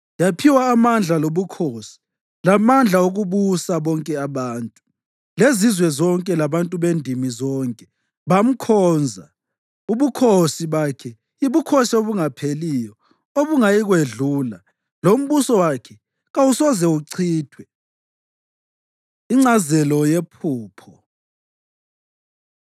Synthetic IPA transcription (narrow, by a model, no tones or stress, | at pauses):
japʰiwaːmand͡ɮʱaloβukʰosi̥ | lamand͡ɮʱaoɣuβusaβɔŋkʼɛaβaːntʼu | lezizwɛzɔŋkʼɛlaβantʼuβendʱimizɔːŋkʼɛ | βam̩kʰɔːnd͡zʱa | uβukʰosiβakʰɛ | iβukʰosioβuŋapʰelijɔ | oβuŋajiɣweɮuːla | lom̩βusɔwakʰɛ | ɣawusɔzɛuǀʰiːtʰwɛ | iŋ͡ǀazɛlɔjepʰuːpʰɔ